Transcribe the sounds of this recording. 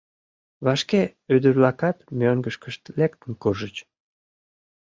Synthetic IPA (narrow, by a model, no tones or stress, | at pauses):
βɑʃkeyd̪əɾlɑkɑt̪møŋɡəʃkəʃt̪lek̚t̪ənkurʒət͡ɕ